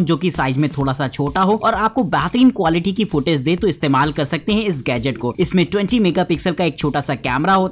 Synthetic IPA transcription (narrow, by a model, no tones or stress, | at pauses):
d͡ʒoːkisaːɪd͡ʒmẽt̪ʰoːɽasat͡ʃʰoːʈaɦoɔːɾaːp̚kobaɦt̪əɾiːnkwaːlɪʈikifoːʈeːzd̪eːt̪oɪst̪eːmaːlkɐɾsɐk̚t̪eɦɛ̃ɪs̬ɡɛːd͡ʒəʈkoɪsmẽʈwɛ̃ɳʈimeːɡapɪksəlkaeːk̚t͡ʃʰoːʈasakɛ̰ːmɾaɦoː